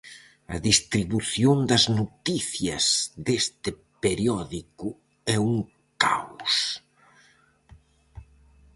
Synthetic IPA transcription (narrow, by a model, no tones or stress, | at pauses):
ɐ̰ðist̪ɾiβuθjond̪ɐznot̪iθjɐ̰zðest̪ɪ | peɾjɔðikʊ | ɛuŋ | kaws